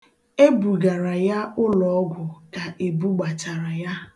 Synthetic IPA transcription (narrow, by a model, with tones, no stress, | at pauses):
e˦bu˨ɡa˨ɾa˨ja˦ʊ˦lɔ˨ɔ˦ɡʷʊ˨ka˨ʔe˨bu˦ɡ͡ba˨t͡ʃa˨ɾa˨ja˦